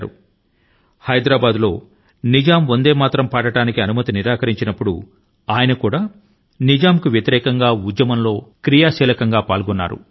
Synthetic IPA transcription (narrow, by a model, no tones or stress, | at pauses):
ɾṵ | hɐjd̪ɾaːbaːd̪lo̞ː | nid͡ʒaːmond̪e̞ːmaːt̪ɾɐmpaːʈɐʈaːnikiɐnumɐt̪iniɾaːkɐɾiɲt͡ʃinɐpːuɽṵ | aːjɐnɐkuːɽaː | nid͡ʒaːmkuʋjɐt̪iɾɛːkɐŋɡaːud̪jɐmɐnlo̞ːkɾijaːʃɛːlɐkɐŋɡaːpaːlɡɔnːa̰ːɾṵ